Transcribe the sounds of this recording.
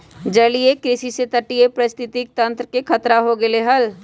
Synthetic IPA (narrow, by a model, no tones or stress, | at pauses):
d͡ʒɐliekɾɪʃiset̪əʈiepɾɐst̪ʰɪt̪ik̚t̪ɐ̃nt̪ɾkekʰɐt̪ɾaɦoɡeleɦɐl